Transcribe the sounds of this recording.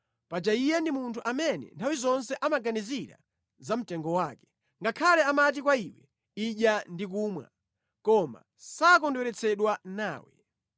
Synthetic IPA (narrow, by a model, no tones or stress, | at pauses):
pad͡ʒaijɛndimuntʰuʔamɛnɛ̰ntʰawizɔns̬ɛʔamaɡaniziɾa̰ | zam̩tɛŋɡɔwaːkɛ̥ | ŋɡakʰalɛamat̬ikwaiwɛ | iɗjandik̬umwa̰ | kɔma̰ | sak̬ɔndwɛɾɛt͡sʰɛɗwanaːwɛ̰